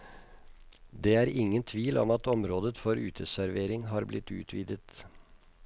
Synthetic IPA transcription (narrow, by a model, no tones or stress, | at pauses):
d̪eːæːɾɪŋːənt̪ʰʋiːlɔ̰mɑt̪ɔmɾoːd̪ət̪fɔɾʉ̰ːt̪ʰəsæɾʋeːɾɪŋɦɑːɾblɪt̪ːʉ̰ːt̪ʰʋiːd̪ət̪